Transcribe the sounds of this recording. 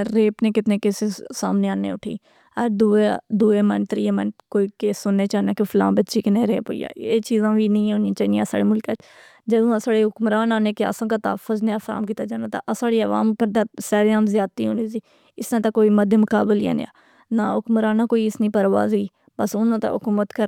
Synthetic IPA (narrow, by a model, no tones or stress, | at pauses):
ɾeːpneːkɪt̪neːkeːsesa̰ːmneːaːnḛːʊʈʰḭː | əɾd̪uːed̪uːeːmɛ̰nt̪ɾiːemɛnkoːiːkeːsːʊnːeːt͡ʃaːnãːkefʰʊlã̰ːbətːʃiːkenẽɾeːpo̰ḭja̰ːeːt͡ʃiːzãːʋiːnəĩːʊnĩːt͡ʃaːiniaːsa̰ːɽeːmʊlket | d͡ʒəd̪õːasaːɽeɦʊkmɾaːnaːneːkeə̰sãːkat̪a̰ːfəzneaːfəɾa̰ːmkiːt̪aːd͡ʒaːnaːt̪a̰ʔəsaːɽiːəʋa̰ːmkəɾd̪asaːɾaːmzjaːt̪iːɦonisiː | ɪsnãːt̪akoːiːməd̪ʱemʊkaːbəla̰ːn̰a̰ː | naɦʊkmɾaːnaːkoːiɪsnĩːpəɾʋa̰ːziː | bəsʊnãːt̪a̰ɦʊkuːmət̪kə